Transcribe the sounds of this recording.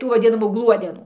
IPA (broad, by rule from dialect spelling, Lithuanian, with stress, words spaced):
ˈtuː ʋɐˈdʲɪnɐmuː ˈɡlˠuɔdʲɛnuː